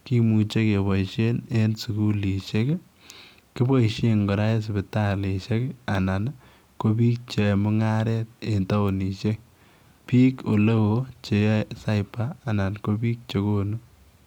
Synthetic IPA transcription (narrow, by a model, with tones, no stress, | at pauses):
ki˦mu˨t͡ʃe˦ke˨βɔ˨iʃe˦ne˦nsu˨ku˦li˨ʃe˦k | ki˦bɔ˦iʃe˦ŋɡɔ˨ɾa˦e˦s̬ɪ˨bɪ˨ta˦le˨ʃe˦ka˨na˨n | ko˦pi˦k̚t͡ʃe˨mʊ˦ŋa˦ɾɛ˦t̚e˨nta˦o˨ni˨ʃe˦k | pi˦ko˨lo˦wo˦t͡ʃe˨jsa˦jpaː˦˨na˨nko˦bi˦k̚t͡ʃe˨ko˦nu˦